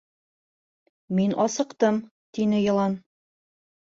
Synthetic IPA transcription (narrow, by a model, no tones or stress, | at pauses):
minʔɒsɤ̆qt̪ɤm | t̪inɘjɤ̆lˠɑn